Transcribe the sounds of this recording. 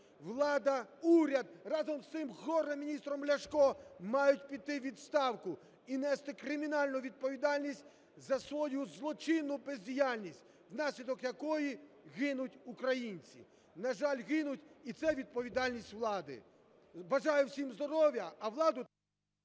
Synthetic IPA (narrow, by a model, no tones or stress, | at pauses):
ʋlˠɑd̪ɐuɾʲɐd̪̚rɑzɔmst̪ɪmɣɔɾemʲinʲist̪ɾɔmlʲɐʃkɔmɑjʊtʲpʲit̪ːɪʋʲid̪st̪ɑwkʊ | inɛst̪ɪkɾɪmʲinɑlʲnʊʋʲid̪̚pɔʋʲid̪ɑlʲnʲisʲtʲ | zɐsʋɔjuzlˠɔt͡ʃɪnʊpezʲdʲijalʲnʲisʲtʲ | wnɑsʲlʲid̪ɔkjɐkɔji | ɣɪnʊtʲukɾɐjinʲt͡sʲḭ | nɐʒɑlʲɣɪnʊtʲit̪sɛʋʲid̪̚pɔʋʲid̪ɑlʲnʲisʲtʲʋlˠɑd̪ɪ̰ | bɐʒɑjʊwsʲimzd̪ɔɾɔʋʲjɐɐʋlˠɑd̪ʊ